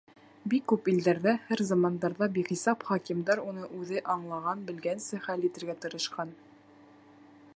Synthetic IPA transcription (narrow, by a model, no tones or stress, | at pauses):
bikːʉpild̪æɾðæhæɾzɑmɑnd̪ɑɾðɑbiχisɑpχɑkimd̪ɑɾunɤʔʉðɘʔɑɴlˠɑʁɑnbɘ̆lɡænsɘχælit̪ɘ̆ɾɡæt̪ɤ̆ɾɤ̆ʃqɑn